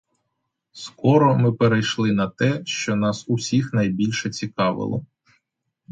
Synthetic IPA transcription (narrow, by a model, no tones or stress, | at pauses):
skɔɾɔmɪpeɾejʃlˠɪnɐt̪ɛʃt͡ʃɔnɑsusʲixnɐjbʲilʲʃɛt͡sʲikɑʋɪ̰lˠɔ̰